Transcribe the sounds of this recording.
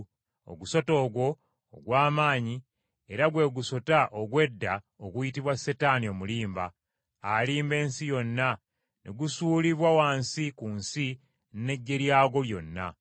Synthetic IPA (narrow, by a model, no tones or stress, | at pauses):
o̰ɡuso̞to̞ːɡwo̞̰ː | ɡwaːmaːɲi | e̞ɾaɡwe̞ːɡuso̞taʔoɡwe̞dːa | oɡujitiβwase̞taːnio̞ːmuliːmbaː | liːmbe̞ːnsijo̞nːa | nʔeɡusuːliβwawaːnsikunsi | nne̞ɟːe̞ɾjaːɡo̞ljo̞nːa̰